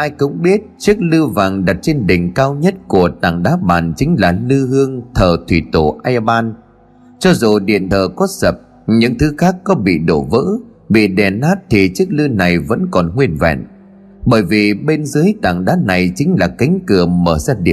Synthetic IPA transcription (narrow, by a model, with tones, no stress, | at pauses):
ʔaː˧jkʊ̰˧˥ŋ͡mɓi˦˥ət̚t͡ɕɨ˦˥ək̚lɨ˧vaː˨˩ŋɗa˨˩t̚t͡ɕe˧nɗï˨˩ŋ̟kaː˧wɲə˦˥t̚ku˧˩ət̪a̰ː˧˨˩ŋɗaː˨˦ɓa̰ː˨˩nt͡ɕï˨˦ŋ̟laː˨˩lɨ˧hɨ˧əŋt̪ʰəː˨˩t̪ʰwḭ˧˩t̪o˧˩ʔaː˧jɓaː˧n | t͡ɕɔ˧zo˨˩ɗḭ˧˩ənt̪ʰəː˨˩kɔ˨˦sə˨˩p̚ | ɲɨ̰˧˥ŋt̪ʰɨ˨˦xaː˦˥kːɔ˨˦ɓḭ˧˨ɗo˧˩vɨ̰ː˧˥ | ɓḭ˧˨ɗɛ˨˩nːaː˦˥t̚t̪ʰi˨˩t͡ɕɨ˦˥ək̚lɨ˧na˨˩jvə̰˧˥nkɔ˨˩nŋwi˧ənvɛ̰˧˨n | ɓəː˧˩jvi˨˩ɓe˧nzɨ˨˦əjt̪a̰ː˧˩ŋɗaː˨˦˥na˨˩jt͡ɕï˨˦ŋ̟laː˨˩ka˨˦jŋ̟kɨ˨˩əməː˧˩sa˧˥ɗḭ˧˩˨